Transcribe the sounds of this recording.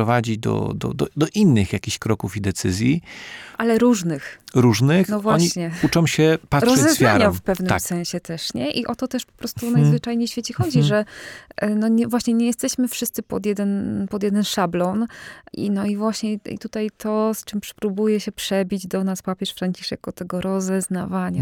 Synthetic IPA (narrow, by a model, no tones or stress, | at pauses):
ɔvad͡ʑid̪ɔ̰d̪ɔ̰d̪ɔ̰d̪ɔʔinːɘxjakʲiɕkɾɔkufid̪ɛt̪sɘzʲjiʔalɛɾuʐnɘxɾuʐnɘxnɔvwaɔɲɕiɲɛut͡ʂɔ̃w̃ɕɛpat̪ɾʂɔzɛzfja̰ɾɲafpɛvnɘasɛ̃ɲ̃ɕɛt̪ɛʂɲɛʔiʔɔt̪ɔt̪ɛʂpɔ̥pɾɔst̪unajzvɘt͡ʂajɲejɕfʲjet͡ɕɛxɔd͡ʑiʐɛ | nɔɲɛvwaɕɲɛɲɛjɛst̪ɛɕmɘfʂɘst̪sɘpɔ̰d̪jɛd̪ɛnpɔd̪jɛd̪ɛnʂablɔnḭnɔivwaɕɲɛḭt̪ut̪ajt̪ʰɔst͡ʂɘmpʂpɾubujɛɕɛpʂɛbʲid͡ʑd̪ɔnaspapʲjɛʂfɾaɲt͡ɕi̥ʂɛkɔt̪ɛɡɔɾʔɔzɛzna̰vaɲa